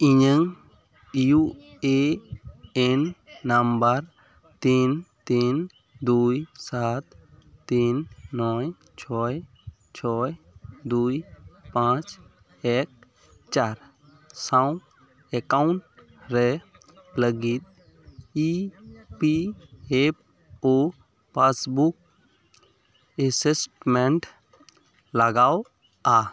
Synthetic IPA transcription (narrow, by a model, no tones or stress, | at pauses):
iɲəŋ | jue | enːambəɾ | t̪int̪in | d̪ujsat̪ː | inːɔj | t͡ʃʰɔj | t͡ʃʰɔj | d̪ujpãt͡ʃ | ek̚ | t͡ʃaːɾ | sãw̃ | ekauɳʈ | ɾe | pləɡit̪ | ipiep | o | pasbuk̚ | esesʈmeɳʈ | ləɡaːw | a